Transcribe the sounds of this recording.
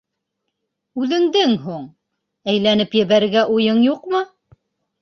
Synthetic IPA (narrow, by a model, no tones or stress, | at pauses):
ʉðɘ̆ŋd̪ɘŋɦuɴ | æjlænɘpjɘ̆βæɾɡæʔujɤɴjuqmɤ